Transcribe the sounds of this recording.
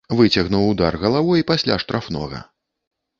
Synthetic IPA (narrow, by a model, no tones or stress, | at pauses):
vɨt͡sʲɐɣnuwud̪a̰rɣɐlˠavɔjipasʲlʲa̰ʂt̪ɾafnɔ̰ɣɐ̰